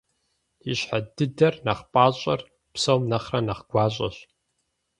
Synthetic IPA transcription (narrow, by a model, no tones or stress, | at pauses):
iɕħadɨdɐrnɐχpʼaːɕʼɐr | psowmnɐχrɐnɐχɡ̥ʷaːɕʼɐ̰ɕ